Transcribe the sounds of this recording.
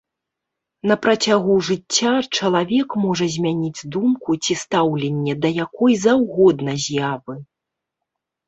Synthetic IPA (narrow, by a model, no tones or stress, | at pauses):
nɐpɾɐt͡sʲaɣuʐɨt͡st͡sʲːat͡ʂɐlˠavʲɛkmɔʐɐzʲmʲanʲid͡zʲd̪umkut͡sʲist̪awlʲɛnʲːɛd̪ɐjakɔjzawɣɔd̪nɐzʲjavɨ